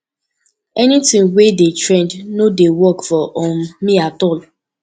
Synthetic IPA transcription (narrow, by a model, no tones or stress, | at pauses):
ɛnitĩŋwedetɹẽndnodewɔkfɔʔɔ̃miatɔl